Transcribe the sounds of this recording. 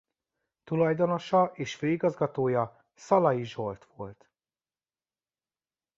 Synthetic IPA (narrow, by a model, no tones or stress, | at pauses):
t̪ulɒjd̪o̞no̞ʃɒʔeːʃføːiɡɒzɡɒt̪oːjɒ | sɒlɒjiʒo̞rt̪ʋo̞lt̪